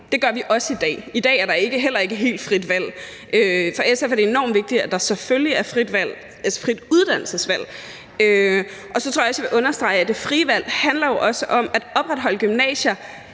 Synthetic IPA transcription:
d̥e̝ɡ̥ɶɐʋiʔɒ̽səid̥ɛ̰ːid̥ɛ̰ːæɐɾɑ̈e̝ɡ̥əɦel̰ɐe̝ɡ̥əɦe̝̰ːld̥fʁid̥ʋæl̰ | ʔøfɒ̽esefæɐdee̝nɒ̰ːmʋe̝ɡ̥̚d̥id̥æd̥ɑ̈seføljiæɐfʁid̥ʋæl̰ | æsfʁid̥uð̞ˠd̥æn̰l̩səsʋæl̰ | ø | ʔɒ̽sɒt͡sʰoɐ̰jɒ̽sj̥ɑʋe̝ʔɔ̽nɐsd̥ʁɑ̈ɪæd̥e̝fʁiːʋæl̰hænlɐjo̝ʔɒ̽səʔɒ̽mæd̥ɒ̽b̥ʁad̥ɦɒ̽ləɡ̥ymnɛ̰ːɕɐ

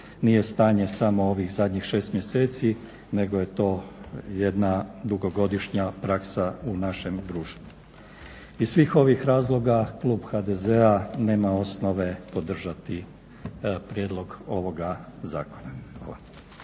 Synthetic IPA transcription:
nije̞st̪aːɲe̞samo̞o̞ʋixzad̪ɲixʃe̞ːst̪mje̞se̞ːt̪si | ne̞ɡoje̞t̪o̞ːje̞d̪nad̪uɡo̞ɡo̞d̪iʃɲapɾaksaunaʃe̞md̪ɾuːʃt̪ʋu | izsʋiːxo̞ʋixɾaːzlˠo̞ɡaklˠuːbxad̪eze̞ane̞ːmao̞sno̞ʋe̞po̞d̪r̩ʒat̪i | pɾje̞d̪lˠo̞ɡo̞ʋo̞ɡazaːko̞naxʋaːlˠa

